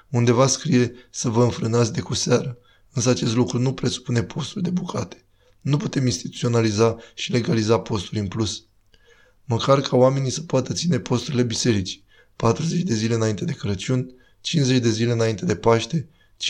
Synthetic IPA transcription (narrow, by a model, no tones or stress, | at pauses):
und̪e̞vaskɾije̞səvəɨnfɾɨnat̪sʲd̪e̞kuseaɾə | ɨns̬əat͡ʃe̞s̬t̪lukɾunupɾe̞su̥pune̞pʰo̞st̪ulʲd̪e̞bukʰat̪e̥ | nuput̪e̞minst̪it̪u̥t̪sio̞nalizaʃile̞ɡalizapo̞st̪ulʲɨnplus | məkʰarkʰaowame̞nisə̥poat̪ət̪sine̞pʰo̞st̪uɾile̞bise̞ɾit͡ʃi̥ | pat̪ɾuze̞t͡ʃd̪e̞zile̞ɨnaint̪e̞d̪e̞kəɾət͡ʃunʲ | t͡ʃinze̞t͡ʃd̪e̞zile̞ɨnaint̪e̞d̪e̞paʃt̪e̞ | t͡ʃ